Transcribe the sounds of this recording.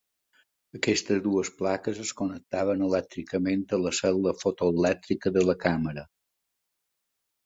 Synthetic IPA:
əkɛst̪əzd̪uəsplakəzəskonək̚t̪aβ̞ənəlɛk̚t̪ɾikəment̪ələsɛlˠəfot̪oəlɛk̚t̪ɾikəðələkaməɾə

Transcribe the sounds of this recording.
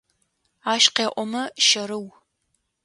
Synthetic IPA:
aːʃqeːʔʷʼɔmɐʃɐɾɨw

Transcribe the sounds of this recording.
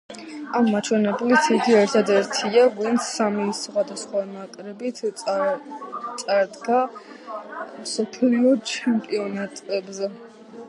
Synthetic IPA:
amːat͡ʃʰwɛnɛblit̪ʰiɡiɛɾt̪ʰad̪ɛɾt̪ʰiavint̪sʰːamisχwad̪asχwamakʼɾɛbit̪ʰ | t̪sʼaɾd̪ɡa | msɔpʰliɔt͡ʃʰɛmpʼiɔnat̪ʼɛbzɛ

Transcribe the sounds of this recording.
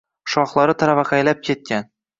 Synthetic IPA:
ʃɒχlˠɑɾɤt̪ʰaɾavaqajlap̚kʲʰet̪̚kʲan

